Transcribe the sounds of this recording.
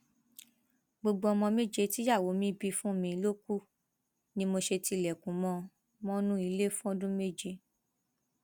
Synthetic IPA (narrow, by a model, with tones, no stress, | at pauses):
ɡ͡bo˧ɡ͡bo˧ɔ˧mɔ̃˧me˦d͡ʒe˧ti˦ja˦˨wo˨˦mĩ˦bi˧fũ˦˨mĩ˧lo˦ku˦ | nĩ˦mo˧ʃe˧ti˧˨lɛ˨kũ˨˦mɔ̃˧ | mɔ̃˦nũ˦i˧le˦fũ˦ɔ˧dũ˦me˦d͡ʒe˧